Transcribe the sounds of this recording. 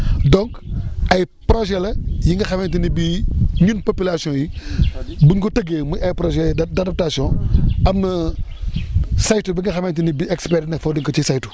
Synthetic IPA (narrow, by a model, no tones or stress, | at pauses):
dɔŋkɐj | pɾɔʒɛlɐjiŋɡɐxɐmɛntinibiɲunpopilasijɔ̃ːji | buɲkɔtɐɡemuɐjpɾɔʒɛdɐdɐp̚tasjɔ̃ɐmnɐ | sajtubiŋɡɐxɐmɐntinibiɛkspɛɾnɐfɔdiŋkɔcisajtu̥